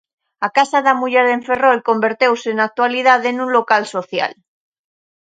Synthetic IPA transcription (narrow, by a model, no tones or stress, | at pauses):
akasaðamuʝeɾðeɱferolko̞mbeɾt̪ewsenak̚t̪walið̞aðenũnlokalso̞θja̰l